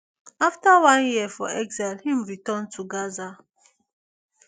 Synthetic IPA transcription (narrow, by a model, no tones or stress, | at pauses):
aftawãnjiɛfɔ̰ɛɡzalhĩmɹitɔ̃ntʰuɡaza